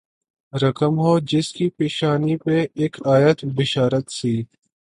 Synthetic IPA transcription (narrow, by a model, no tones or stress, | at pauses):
ɾɐkəmɦoːd͡ʒɪskipeːʃaːnipeeːkʰaːjət̪bɪʃaːɾət̪siː